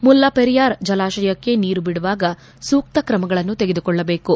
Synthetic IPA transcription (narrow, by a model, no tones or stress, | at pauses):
mulːɐpeɾijaːɾd͡ʒɐlaːʃɐjɐkːe̞niːɾubiɽuʋaːɡɐ | suːk̚t̪ɐkɾɐmɐɡɐɭɐnːut̪eɡed̪ukɔɭːɐbe̞ːku